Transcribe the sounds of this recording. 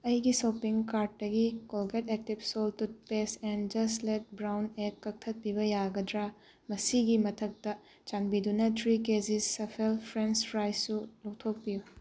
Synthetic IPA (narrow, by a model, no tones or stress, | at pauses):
ɐjɡisopiŋkaɾt̚ːɐɡikolɡetek̚tibsoltut̚pesend͡ʒɐslet̚bɾawnekːɐk̚tʰɐt̚pibɐjaɡɐdɾa | mɐsiɡimɐtʰɐk̚tɐ | t͡ʃanbidunɐtʰɾikezisːɐpʰelpʰɾenspɾajsulɔktʰok̚piju